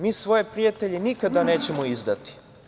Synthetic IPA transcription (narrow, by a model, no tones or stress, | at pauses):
miːsʋo̞jepɾijat̪eʎenikad̪ane̞ːt͡ɕe̞moizd̪at̪i̥